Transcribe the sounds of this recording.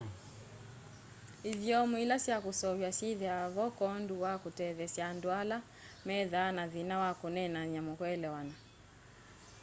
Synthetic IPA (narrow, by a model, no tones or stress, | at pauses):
iðjɔmuilasjakusɔwjasiðiavɔkɔnduwakutɛðɛsjandwala | mɛðanaðinawakunɛnaɲamɔkɔɛlɛwana